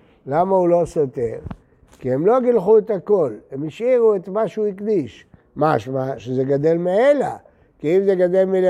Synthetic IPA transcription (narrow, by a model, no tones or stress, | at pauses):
lamaulo̞sot̪eʁ | kiemlo̞ɡilχuet̪hako̞lemiʃiʁuet̪maʃuikd̪iʃ | maʃmaʃezeɡad̪e̞lmeela̰ | kiimzeɡad̪e̞lmil